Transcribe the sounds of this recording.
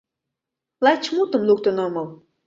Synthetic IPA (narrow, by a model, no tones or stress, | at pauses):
lˠɑjt͡ɕmut̪ə̆mluk̚t̪ŏnɤ̆mɤl